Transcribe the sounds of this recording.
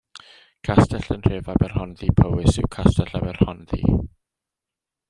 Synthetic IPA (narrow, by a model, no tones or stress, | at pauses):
kʰastʰɛɬənr̥eːvabɛrhɔnðipʰəwɪsɪ̰wkʰastɛɬabɛrhɔnðḭ